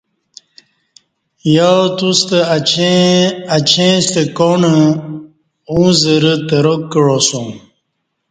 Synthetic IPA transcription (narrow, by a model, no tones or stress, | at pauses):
jat̪ust̪ə | at͡ɕʰẽst̪əkonə | ũzəɾət̪əɾokːəɻosũ